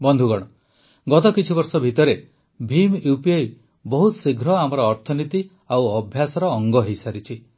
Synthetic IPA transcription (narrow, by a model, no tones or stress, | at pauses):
bɔnd̪ʱuɡɔɽ̃ɔ | ɡɔt̪ɔkit͡ʃʰibɔɾsɔbʱit̪ɔɾe | bʱimupiaj | bɔɦut̪siɡʱɾɔamɔɾɔːɾt̪ʰɔnit̪i | awɔbʱjasɔɾɔːŋɡɔɦejsaɾit͡ʃʰi